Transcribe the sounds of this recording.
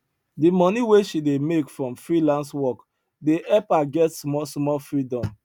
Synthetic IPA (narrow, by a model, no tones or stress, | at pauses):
dimɔniweʃidemekfɹɔ̃mfɹilãnswɔk | deʔɛpaɡɛtsmɔsmɔfɹidɔ̃m